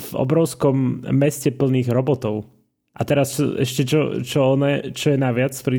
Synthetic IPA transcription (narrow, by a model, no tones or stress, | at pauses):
vɔ̰bɾɔʊskɔmːɛscɛpl̩niːɣɾɔbɔt̪ɔʊ | ʔat̪ɛɾast͡ʃɔ̰ɛ̰ʃcɛt͡ʃɔ̰t͡ʃɔɔnɛt͡ʃɔjɛnaʋɪat͡spɾi